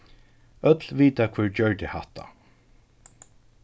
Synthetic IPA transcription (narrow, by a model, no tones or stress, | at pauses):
œt̪lʋiːt̪akʰvɪɹt͡ɕœɹt̪ɪhaht̪a̰